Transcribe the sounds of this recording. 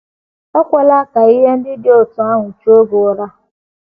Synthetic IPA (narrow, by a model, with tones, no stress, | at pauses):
ɔ˦kʷa˨la˦˨ka˨i˦ɦe˦n̩˦dɪ˦dɪ˦o˨tʊ˨a˦ŋʷʊ˨t͡ʃo˦ɡʊ˨ɾa˦